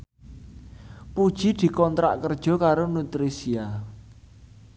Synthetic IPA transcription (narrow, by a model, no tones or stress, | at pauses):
pud̥ʒ̥i̤d̪̥i̤kɔnt̪ɾa̰ʔkərd̥ʒ̥ɔ̤kaɾonut̪ɾisia